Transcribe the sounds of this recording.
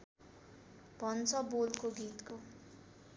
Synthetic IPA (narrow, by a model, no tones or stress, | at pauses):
bʱʌnt͡sʰʌbolkoɡit̪ko